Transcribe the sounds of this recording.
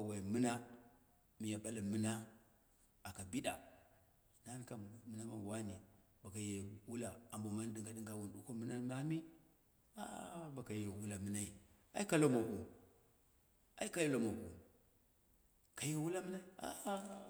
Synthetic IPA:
a˨wa˨i˨mi˦na˦ | mi˨ja˨ɓa˦la˨mi˦na˦ | a˨ka˨bi˦ɗa˨ | na˦mi˦ka˦˨mi˨˦na˦ma˨wa˦ni˨ | ba˨ka˨je˨wu˦la˨a˨mbo˨ma˦n˦di˨ŋɡa˨di˦ŋɡa˨wu˨ndu˦ko˦mi˦na˦na˦mi˦ | a̰˦ba˨ka˨je˨wu˦la˨mə˦na˦i˨ | a˦i˦ka˦lo˦ma˨ʔu˨ | a̰˦i˦ka˦ja˦lo˨ma˨ʔṵ˨ | ka˨je˨wu˦la˦mə˦na˦i˦a̰˦ʔ

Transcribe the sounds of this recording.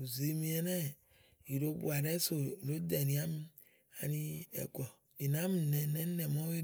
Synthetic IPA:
u˨zi˨mĩ˦ɛ˨nɛ̃˦ | i˨do˦bṵ˨a˨ɖɛ˦so˨i˨lo˦d̪ɛ˨nĩ˨˦a˦mĩ˦ | a̰˨nĩ˦ɛ̰˨ɡɔ˨ | i˨nã˨˦mĩ˨nɛ̃˨nɛ̃˦nɛ̃˨mɔ̃˦we˦

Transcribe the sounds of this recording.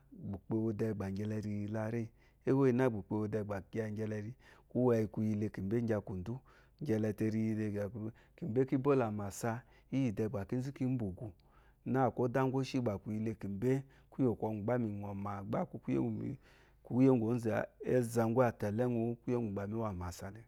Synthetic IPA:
ɡ͡bu˨k͡pe˧wo˧dɛ˧˨ɡ͡ba˨ɡɛ˧lɛ˧ɾi˧la˧ɾe˦˨ | e˦wo˦i˧˦na˦˨ɡ͡bu˨k͡pe˧wo˧dɛ˧˨ɡ͡ba˨ɡa˧ŋ˦ɡɛ˧lɛ˧ɾi˧ku˦wa˧ji˧ku˧ji˧le˧ki˨m˨be˦ŋ˦ɡʲa˧ku˨n˨du˦ | ŋ˦ɡʲɛ˧lɛ˧te˧ɾi˧ji˧de˧ɡa˨˦ | ki˨be˦ki˦bo˦la˨ma˨sa˧ | i˦i˨dɛ˧˨ɡ͡ba˨ki˦n̩˦zi˦ki˦m̩˦bo˨ɡu˨ | na˦˨ko˦da˦ŋɡʷo˦ʃi˦ɡ͡ba˨ku˨ji˧le˧ki˨m˨be˦ | ku˦jo˨kʷɔ˧ŋu˨ɡ͡ba˦mi˨ŋɔ˨ma˨ɡ͡ba˦ku˧˦kṵ˦˨ | ku˦je˦ŋ˦ɡʷo˨˦n̩˦zɛ˨a̰˨e˦za˨ŋ˦ɡʷu˦a˨tɛ˨lɛ˦ŋu˧˦ku˦e˦ŋɡu˨ɡ͡ba˨mi˦wa˨ma˨sa˧nɛ˨

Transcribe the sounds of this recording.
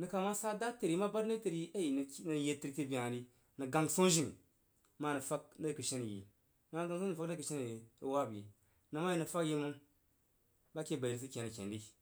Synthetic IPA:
nə˨ka˨ma˦sa˦da˦te˨ɾi˨˦ma˦ba˦dni˦te˨ɾi˦a˦ji˨n˨˦nə˨je˧ti˦ɾte˦bi˨a˨ni˨ | nə˨ɡa˨ŋso˦n˦ʒi˦˨nḭ˨˦ | ma˦nə˨fa˦k̚na˦˨kɨ˨ʃe˦n˨jḭ˨ | ma˦ma˦ɡa˦ŋ˨so˦˨fa˦n˦kə˨ʃe˦n˨jə˦wa˦˨bjḭ˨ | na˨ma˦ji˦˨nɨ˨fa˦kji˦mu˦ | ba˦kʲe˦˨ba˨i˨ɾs̬i˦kʲe˨ni˨kʲḛ˨ndi˦

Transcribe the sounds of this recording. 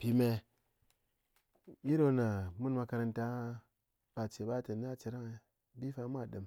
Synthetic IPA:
pi˨me˨ | ji˦ɾo˦na˨mu˦nma˧ka˧ɾa˧nta˦ | ba˨t͡ʃe˨ba˦te˨n˦a˦˨t͡ʃi˨ɾa˦ŋ˨ | bi˦fa˧˦m˦a˦˨ɗɨ˨m

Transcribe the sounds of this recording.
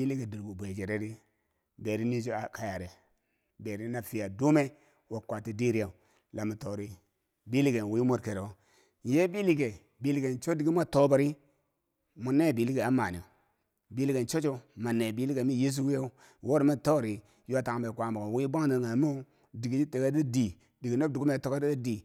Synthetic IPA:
bi˦li˦ɡe˨di˨ɾɡu˨bʷe˨d͡ʒe˨ɾe˦ɾi˦ | be˨ɾi˦ni˦d͡ʒo˦a˨ka˦˨ja˨ɾe˨ | be˨ɾi˦na˨fi˨ja˨du˦me˦ | wa˨kʷa˨ti˨di˦ɾi˦ja˨u˨ | la˨mu˨to˨ɾi˦ | bi˦li˦ɡe˨n˨wi˦mo˦ɾke˨ɾe˨o˦ | n˨je˦bi˦li˦ɡe˨ | bi˦li˦ɡe˨nt͡ʃo˦di˨ɡi˦mʷ˦a˦to˦ba˨ɾi˦ | mu˨ne˦˨bi˨li˦ɡe˨a˨˦ma˨ni˨o˨ | bi˨˦li˦ɡe˨nt͡ʃo˦t͡ʃo˦ma˨ne˨bi˦li˦ɡe˨mi˦je˦s̬u˦wi˦ja˦u˦ | wo˦ɾi˨ma˦˨to˦˨ɾi˨ | ju˦a˦ta˨ŋ˨be˨kʷa˨bo˨ɡo˨wi˦ba˦ŋ˦di˨ŋa˨m˦o˦ | di˨ɡi˦d͡ʒi˦te˨ɡe˦di˦di˨ | di˨ɡi˨no˦b̚du˨ɡu˦me˨to˦ka˦da˦di˨

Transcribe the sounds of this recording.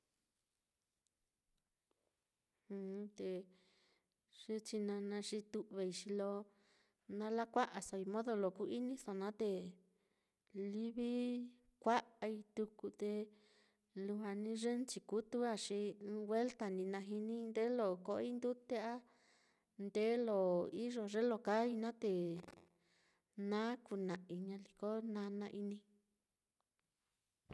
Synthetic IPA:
hũ˧t̪e˧ | ʂe˦t͡ʃi˧nã˧nã˧ʂi˧t̪u˧ʔβe˧i˧ʂi˧lo˧ | nã˧la˦kʷa˦ʔa˨so˧i˧mõ˦ðo˧lo˧˨ku˧i˦nĩ˦so˧nã˦t̪e˧ | li˦βi˦ | kʷa˦ʔa˧i˧t̪u˧ku˧t̪e˧ | lu˧ɦa˧nĩ˧˦ʐe˦nt͡ʃi˧ku˦t̪u˦a˦˨ʂi˧ɨ̃ː˧we˦lt̪a˧nĩ˧nã˧ɦi˧nĩ˦˧nd̪e˦lo˧˨ko˧ʔi˦nd̪u˦t̪e˦a˦ | nd̪e˦lo˨i˦ʐo˨ʐe˦lo˧˨ka˦i˧nã˦t̪e˧ | nã˦ku˧nã˨ʔi˧ɲã˧li˧ko˦nã˧˦nã˧ʔi˧nĩ˧

